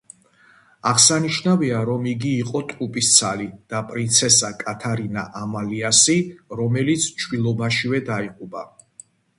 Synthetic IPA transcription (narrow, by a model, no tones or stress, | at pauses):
aʁsaniʃnaviaɾɔmiɡiːqʼɔt̪ʼqʼupʼist̪sʰalid̪̥apʼɾint̪sʰɛsakʼat̪ʰaɾinaʔamaliasiɾɔmɛlit̪sʰt͡ʃʰwilˠɔbaʃivɛd̪aiqʼuba